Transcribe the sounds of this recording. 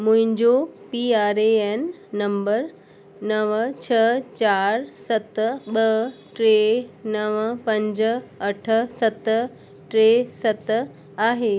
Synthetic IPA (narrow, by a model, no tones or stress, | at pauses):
mʊ̃ɦɪ̃ɲd͡ʑopiːaːɾeenː | ɐ̃mbəɾ | nɐʋt͡ɕʰɐt͡ɕaːɾsɐt̪ɓɐʈɾeːnɐʋpɐ̃ɲd͡ʑ̆ɐʈʰə̆sɐt̪̆ | ʈɾeːsɐt̪ | aːɦeː